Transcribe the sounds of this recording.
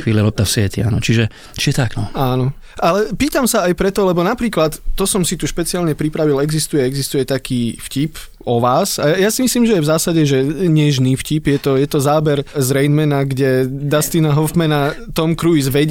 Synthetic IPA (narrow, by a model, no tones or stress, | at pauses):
ʋiːlilɔp̚t̪afsɛt̪ia̰ːnɔt͡ʃiʒɛ | t͡ʃiʒɛt̪aɡnɔaːnɔ | ʔalɛpiːt̪amsaajpɾɛt̪ɔlɛbɔnapɾiːklat̪ːɔsɔmsit̪uʃpɛt͡siaːlɲɛpɾipɾaʋilɛɡzist̪ujɛɛɡzist̪ujɛt̪akʰiːfcip | ɔʋaːsajasimisliːmʒɛjɛvzaːsaɟɛʒɛɲɛʒniːfcipjɛt̪ɔjɛt̪ɔzaːbɛɾzɾɛjnmɛnaɡɟɛd̪ast̪inaɦɔfmɛnat̪ɔmkɾujzʋɛɟ